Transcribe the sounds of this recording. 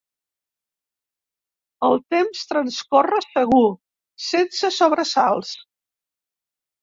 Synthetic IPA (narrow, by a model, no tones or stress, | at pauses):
əlˠt̪emst̪ɾənskorəsəɣu | sensəsoβɾəsalˠs